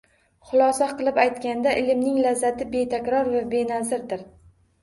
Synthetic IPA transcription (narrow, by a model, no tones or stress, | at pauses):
χʊlˠɒsaqɨlˠɪpajt̪kʲand̪aʔɪlɪmnɪŋlazːat̪ʰɪbe̞t̪ʰakʲɾɒɾvabe̞nazɪɾd̪ɪɾ